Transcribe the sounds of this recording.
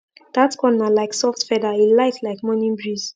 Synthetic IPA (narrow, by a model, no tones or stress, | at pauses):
d̥atkʰɔnalaɪksɔftfɛdailaɪtlaɪkmɔ̃nĩnbɹiz̥